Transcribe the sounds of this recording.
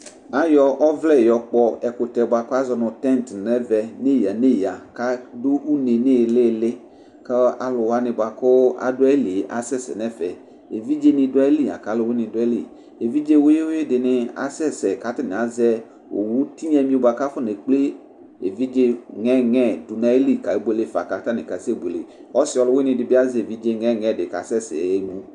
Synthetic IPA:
a˨jɔ˨ʔɔ˦vlɛ˦˨jɔ˨k͡pɔ˦ɛ˨ko˨t̪ɛ˨ba˨kɔ˦a˦zɔ˨nʊ̃˨t̪ɛ̃˦nt̪nɛ˦vɛ˨ne˦ja˨nẽ˦ja˨ka˦do˦u˦ne˨ne˦˨le˦˨le˦ | ke˦a̰˨lʊ˨wa˦nɪ̃˨ba˨ko˦ʔa̰˨do˦ɛ˦li˨ʔa̰˨sɛ˦sɛ̰˨nɛ̃˦fɛ˨ | e˨vi˦d͡ʒe˦nĩ˨do˦ɛ˦li˦˨a̰˨ka˨˦lo˨˦we˦nĩ˨do˦ɛ˦lḭ˨ | e˨vi˦d͡ʒe˦wo˦je˦wo˦e˦dɪ˨nɪ˧a̰˨sɛ˦sɛ˨ka˨˦tɪ˦nɪ̃˨a˨˦zɛ˦ | o̰˨wu˦ti˦ɲɛ̃˦mĩ˦o˧ba˨ka˦fʊ˦ne˨k͡ple˦ | e˨vi˦d͡ʒe˦ŋɛ˦ŋɛ˦˨du˨na˦e˦li˦˨ka˨e˦be˦le˦fa̰˨ka˨ta˦nɪ̃˨ka˨se˦˨ɡ͡be˨lḛ˨ | ɔ˦sɪ˦ɔ˨˧lʊ˨˦we˦nɪ̃˧dɪ˨bi˦a˦zɛ˦˨vi˦d͡ʒe˦ŋɛ˦˨ŋɛ˨dɪ˨ka̰˨˦sɛ˦sɛ̰˨e˦ŋũ˦

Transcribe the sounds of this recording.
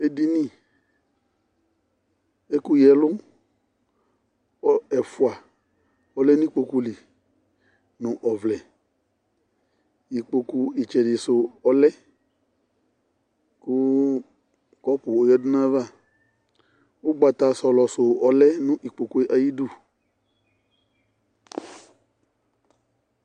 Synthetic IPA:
e˦di˦nĩ˦˨ | e˦ku˦jɛ˨lʊ˦ | ɔ˦ɛ˨fu˨a˨ | ɔ˨lɛ˦nũ˦i˦k͡po˧ku˦li˨ | nʊ̃˦ʔɔ˨vlɛ˨ | ji˨k͡po˧ku˦i˨t͡ʃɛ˨dɪ˨sʊ˨ɔ˧lɛ˦ | kʊ˦ | kɔ˦pʊː˨˦jɔ˦dʊ˦nã˦va˦˨ | o˦ɡ͡ba˧˨t̪a˧sɔ˧˨lɔ˨so˨ɔ˦lɛ˦nũ˦ʔi˨k͡po˨ku˦e˦ʔa˨ji˦du˦˨

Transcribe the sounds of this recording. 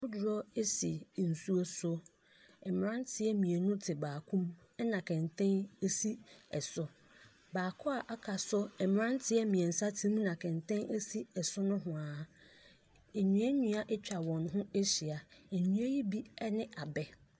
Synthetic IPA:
ʊ˦dʊ˨ɾɔ˦e˦si˨n̩˨su˦o˦sʊ˦ | ɛ˨m˨ɾã˦n˦tʰɪ˦ɛ˦mĩ˨e˨nʊ̃˦tʰɪ˨baː˨kʰũ˦m˦ | nã˨kʰɛ̃˨ntʰɛ̃˦ne˦si˦ɛ˨sʊ˦ | baː˨kʰʊ˦a˨ʔa˦kʰa˨sʊ˦ɛ˨m˨ã˦n˦tʰɪ˦ɛ˦mĩ˨ɛ˨n̩˨sa˦tʰĩ˦m̃˦nã˨kʰɛ̃˨ntʰɛ̃˦ne˦si˦ɛ˨sʊ˦nʊ̃˦ɦʊ̃˨a˨ | e˨ɲũ˦e˦ɲũ˦a˦ʔɛ˦t͡ɕᶣa˨wɔ̃˨nɦʊ̃˦e˦ɕi˨a˨e˨ɲũ˦e˦ji˦bi˦ɛ˦nɪ̃˦ʔa˨bɛ˨

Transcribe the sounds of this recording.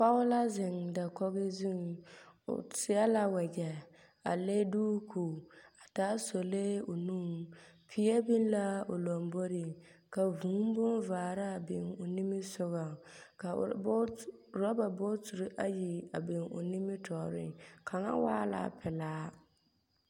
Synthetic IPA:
pa˦ʊ˦la˦zɪ˨ŋda˨kɔ˦ɣɪ˦zu˦˨ŋʊ̰˨sɪ˨˦a˦la˦wɛ˨d͡ʒɛ˨ | a̰˨le˦duː˦kʰuː˨a˨taː˦so˨le˦o˨nu˦ŋpʰi˨ɛ˦bi˦n˦la˦o˨lo˨mbo˦ɾɪ˨ | ka˨vũ˨˦m˦bʊ˦nvaː˨ɾa˦˨bɪ̰˨ŋo˨ni˦mɪ˦sʊ˦ɣa˨ka˨˦˨ | ɾɔ˦ba˨bo˦tu˨ɾi˦ʔa̰˦ji˨a̰˨bɪ˨ŋo̰˨ni˦mɪ˦tʰɔ˨ɾɪ̰˦kʰa˨ŋa̰˦wa̰ː˦la̰ː˦pʰɪ˨laː˦

